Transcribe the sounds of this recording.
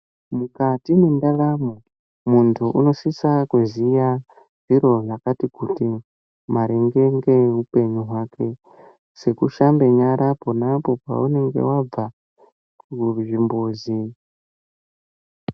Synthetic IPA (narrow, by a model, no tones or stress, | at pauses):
mukatimendaramo | muntʰuʔuno̞sisakuzija | ʐ̥iɾo̞ʐakatikuti | maɾeŋɡe̞ŋɡe̞upe̞ɲuɦwakʰe̞ | se̞kuʃambe̞ɲaɾapo̞napo̞pa̰une̞ŋɡe̞̰wab͡va | kuʐimboːzi